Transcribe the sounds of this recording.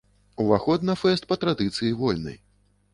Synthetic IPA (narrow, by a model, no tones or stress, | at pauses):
uvaxɔd̪nɐfɛst̪̚pɐt̪ɾad̪ɨt̪sɨjivɔlʲnɐ̰j